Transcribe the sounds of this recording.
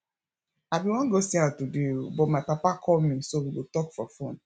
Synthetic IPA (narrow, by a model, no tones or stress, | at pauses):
abiwɔ̃nɡosiãtudebɔtmaɪpapakʰɔlmĩsowiɡotɔkfɔfõn